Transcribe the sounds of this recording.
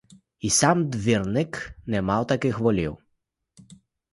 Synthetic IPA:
isamd̪viɾniknɛmawt̪akixvɔlʲḭw

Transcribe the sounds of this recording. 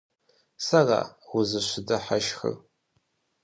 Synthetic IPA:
sara̰wʊzɨɕʷɪdɐħaʃxə̰

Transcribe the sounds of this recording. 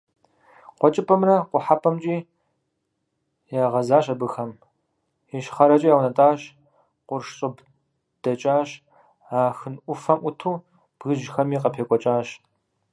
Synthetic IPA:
qʷɔt͡ʃʼɪpʼɐmrɐqʷʊħapʰɐmt͡ʃʼiː | jaːʁɐzaːɕʼɐbɨxɐm | iʃχɐɾɐt͡ʃʼɐjaːwnɐtʼaːɕ | qʷʊrʂɕʼɨb | d̥ɐt͡ʃʼaːɕ | aːxɨnʔʷʊfɐmʔʷʊtʰuː | b̥ɣɨʒxɐmiːqɐpʰeːkʷʼɔt͡ʃʼaːɕ

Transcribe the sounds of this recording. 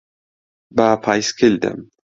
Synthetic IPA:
bapʰajskʰild̪a̰m

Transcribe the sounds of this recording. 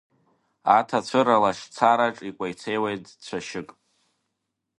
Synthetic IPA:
atʰat͡ɕʷʰɨɾalaʂt͡sʰaɾaʈ͡ʂʼikʷʼajt͡sʰejwejtʼt͡ɕʷʰaʃɪkʼ

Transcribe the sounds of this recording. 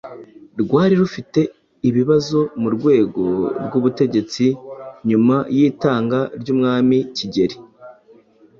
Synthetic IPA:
ɾɡwaːɾiɾufite̞ | iβiβazo̞muɾɡwe̞ːɡo̞ɾɡuβute̞ɟe̞t͡siɲumajiːtaːŋɡaɾɟuːmŋaːmiciɟe̞ɾi

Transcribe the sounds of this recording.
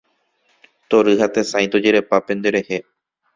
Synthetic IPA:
t̪oɾɨhat̪esãj̃t̪od͡ʒeɾe̞papẽ̞nd̪eɾe̞he

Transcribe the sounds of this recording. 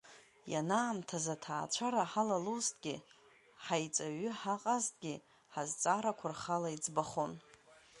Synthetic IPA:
ja̰naːmtʰazatʰaːt͡ʃʷʰaɾaħalalustʼɡʲɪ | ħajt͡sʼaɥʏħaqʼaztʰʼɡʲi | ħazt͡sʼaɾakʷʰarχalaid͡zbaχon

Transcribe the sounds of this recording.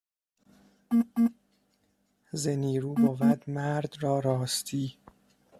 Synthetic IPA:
zeniːɾuːbɒːvæd̪mæɾd̪rɒːɾɒːst̪ʰiː

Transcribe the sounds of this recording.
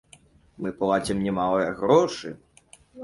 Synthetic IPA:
mɨplˠat͡ɕʲimnʲɛmalˠɐjɐɣɾɔʂɨ̰

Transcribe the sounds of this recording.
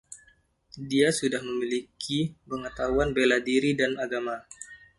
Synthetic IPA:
diasudahməmilikʰipəŋət̪aɦuanbeladiɾidanaɡama

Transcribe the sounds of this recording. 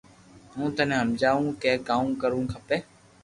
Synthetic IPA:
ɦũːt̪ənẽːɦəmd͡ʒaːũːkeːkaːũːkəɾũːkʰəpeː

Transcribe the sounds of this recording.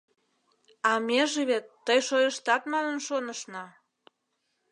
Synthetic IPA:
ɑmeʒeβet̪ːəjʃojəʃt̪ɑt̪mɑnənʃonəʃnɑ

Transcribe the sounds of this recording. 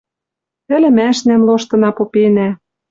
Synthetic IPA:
t̪ɘ̆lɘ̆mæʃnæmloʃt̪ɤ̆nɑpopenæ

